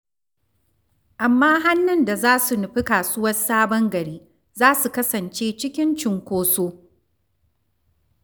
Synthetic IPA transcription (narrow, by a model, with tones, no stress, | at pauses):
ʔa˨mːaː˦ɦa˦nːɪ˨nda˨zaː˦su˨nʊ˨ɸɪ˦kaː˨sʊ˦wɐ˦saː˦bɐ˦ŋɡɐ˨ɽiː˦ | zaː˦su˨kɐ˦sɐ˨nt͡ʃeː˦t͡ʃɪ˦kʲɪ˦nt͡ʃɪ˨ŋkʷoː˦soː˦